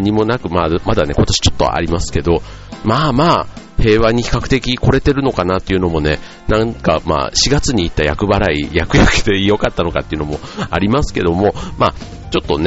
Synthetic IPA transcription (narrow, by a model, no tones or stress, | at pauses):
ɲ̟imo̞nakɯ̟mamad̪ane̞̰ko̞t̪o̞ɕi̥t͡ɕot̪ːo̞̰a̰ɾʲimasɨ̥ke̞d̪o̞ | maːmaː | he̞ːβaɲ̟içi̥kakɯ̟̥t̪ekʲiko̞ɾe̞t̪e̞ɾɯ̟no̞kanat̪ːe̞iɯ̟no̞mo̞ne̞ | nãŋka̰ma̰ːɕiɡat͡sɨɲ̟iːt̪ːajakɯ̟baɾaḭjakɯ̟jakɯ̥t̪e̞ijo̞kat̪ːano̞ka̰t̪ːeiɯ̟no̞mo̞a̰ɾʲimasɨ̥ke̞d̪o̞mo̞maː | t͡ɕo̞t̪ːo̞n